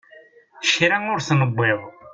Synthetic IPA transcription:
ʃɾæŋʊɾθnəbːeðˤ

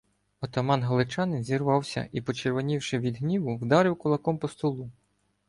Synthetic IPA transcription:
ɔt̪ɔmɑnɦɐlˠɪt͡ʃɑnɪnzʲirʋɑwsʲɐ̰ipɔt͡ʃerʋɔnʲiwʃɪʋʲid̪ɦnʲiʋʊwd̪ɑɾɪwkʊlˠɐkɔmpɔst̪ɔlˠu

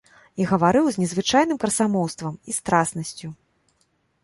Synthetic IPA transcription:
iɣɐvaɾɨwzʲnʲɛzvɨt͡ʂajnɨmkɐrsamɔwst̪vɐmist̪ɾasnɐsʲt͡sʲu

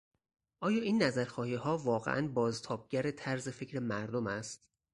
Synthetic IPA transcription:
ʔɒːjɒːiːnːæzæɾxɒːhiːhɒːvɒːɣḛʔæ̰nbɒːzt̪ʰɒːb̚ɟæɾe̞t̪ʰæɾze̞fecʰɾe̞mæɾd̪omæst̪̚

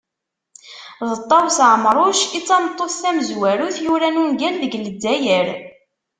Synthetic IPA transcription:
ðət̪ˤːɑwsʕəmɾˤoʃit͡sːɑmt̪ˤːoθθæməzwæɾuθjuɾænunɡænðəɡləd̪ːæjəɾ

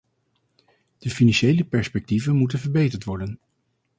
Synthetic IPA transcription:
d̥əfinɑnʃejləpɛɹspɛk̚tivənmutənvəɹbejtəɹtʋɔɹdən

